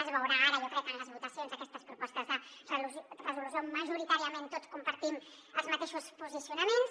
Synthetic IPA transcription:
əzβəwɾaaɾəjokɾɛkːənləzβut̪əsijonzəkɛst̪əspɾupɔst̪əzðərluzrəzulus̬joməʒuɾit̪aɾiəment̪ot͡skumpəɾt̪im | əlˠzmɐt̪eʃuspuzisiunəmens

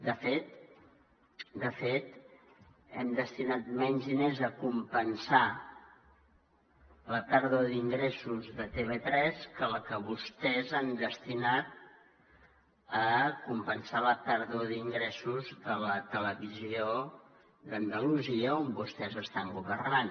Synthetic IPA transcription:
d̪əfet̪̚ | d̪əfet̪ | ɛmd̪əst̪inat̪̚mɛɲzðinezəkumpənsa | ləpəɾðoðiŋɡɾesuzðət̪eβet̪ɾɛskələkəβust̪ɛzɛmd̪əst̪inat̪̚ | əkumpənsaləpəɾðoðiŋɡɾɛsuzðələt̪ələβizio | d̪ənd̪əluziəombust̪ɛzəst̪aŋɡuβərnan

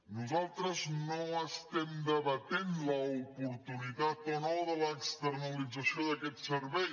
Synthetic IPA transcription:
nuzalˠt̪ɾəznoəst̪ɛmd̪əβət̪enləupuɾt̪unit̪at̪onoðələkst̪əɾnəlid͡zəsioðəkɛt̪səɾβɛj

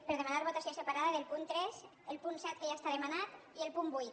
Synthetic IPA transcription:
pəɾð̞emanaɾβot̪asiosepaɾaðaðelˠpunt̪ɾɛz | elˠpunsɛt̪̚keʒaest̪aðemanat̪ | ielˠpumbujt̪

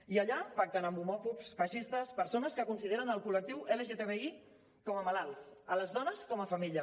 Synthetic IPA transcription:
iəʎapak̚t̪ənəmbumɔfupsfəʃist̪əspəɾsonəskəkunsiðeɾənəlˠkulək̚t̪iweleʒet̪eβei | kɔməmalalˠsələzðɔnəskɔməfəmiʎə

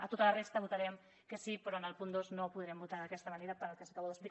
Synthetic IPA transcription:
ət̪ot̪ələrest̪əβut̪ɐɾɛm | kəsipɾɔənəlˠpund̪oznopuðɾɛmbut̪aɾðəkɛst̪əmaneɾəpəɾəlˠkəsə̥kaβowðəspli

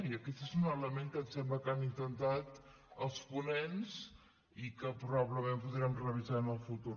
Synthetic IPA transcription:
iəkɛt̪ezunələmeŋkət̪sɛmbləkanint̪ənt̪at̪ | əlˠspunenzs | ikəpɾuβaβləmempuðɾiəmrəβizanəlˠfut̪u

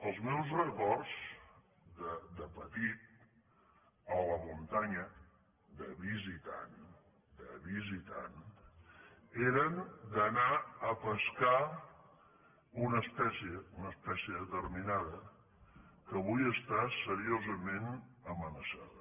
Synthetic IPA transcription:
əlˠzmɛwzrəkɔrz | d̪əd̪əpət̪it̪̚ | ələmunt̪aɲə | d̪əβizit̪a̰n | d̪əβizit̪a̰n | eɾənd̪ənaəpəska | unəspɛsiəunəspɛsiəðət̪əɾminaðə | kəβujəst̪asəɾiozəmenəmənəsa̰ðə

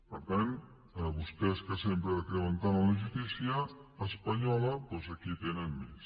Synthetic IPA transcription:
pəɾt̪an | əβust̪ɛskəsempɾəðəkɾəmənt̪anənləʒut̪isiəːspəɲɔləpozəkit̪enənmes

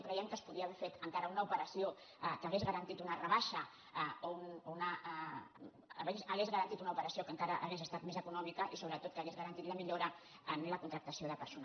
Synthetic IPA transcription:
kɾɛiəmkəspuðiaːβɛɾfet̪əŋkaɾəunəupəɾəsio | kəɣezɣəɾɐnt̪it̪unərəβaʃɐ | ounonə | βezəɣezɣəɾɐnt̪it̪unɐupəɾəsiokəŋkaɾəʔaɣezəst̪at̪mezəkunɔmikəʔisoβɾət̪ot̪̚kəːɣezɣəɾɐnt̪it̪ləmiʎoɾə | ənləkunt̪ɾək̚t̪əsioðəpəɾson

